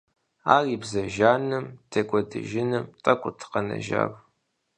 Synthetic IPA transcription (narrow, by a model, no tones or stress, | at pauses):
aːriːbzɐʒaːnɨmtʰekʷʼɔdɨ̰ʒɪnɨmtʼɐkʷʼʊtʰqɐnɐ̰ʒa̰ːr